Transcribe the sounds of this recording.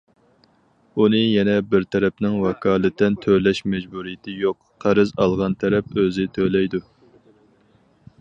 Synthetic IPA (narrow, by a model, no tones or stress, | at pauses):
unɨjɛnɛbɪɾt̪ʰɛɾɛpnɪŋwɛkʰɑːlˠɨt̪ːɛnt̪ʰølɛʃmɛd͡ʒbuɾijɪt̪ʰɪjoq | qʰːæɾɪzɑlˠʁɑnt̪ʰɛɾɛpøzɪt̪ʰølɛjd̪u